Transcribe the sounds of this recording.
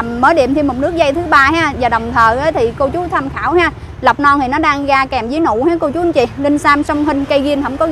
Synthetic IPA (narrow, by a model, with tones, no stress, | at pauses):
mːəː˨˦ɗḭ˧˨əmt̪ʰi˧mʊ˨˩k͡p̚nɨ˦˥ək̚za˧jt̪ʰɨ˨˦ɓaː˧haː˨˧˥vaː˨˩ɗə˨˩wŋ͡mt̪ʰəː˨˩ʔə˨˦jt̪ʰi˨˩ko˧t͡ɕu˨˦t̪ʰa˧mxaː˧˩whaː˨˦ | lə˨˩wk͡p̚nɔ˧nt̪i˨˩nɔ˨˦ɗaː˧ŋɣaː˧kɛː˨˩mzi˨˦jnṵ˧˨haː˨˦jko˧t͡ɕu˨˦˧t͡ɕi˧˩li˧n̟saː˧msə˧wŋ͡mɦï˧ŋ̟kə˧jɣi˧ənɦə̰˧˥wŋ͡mkɔ˨˦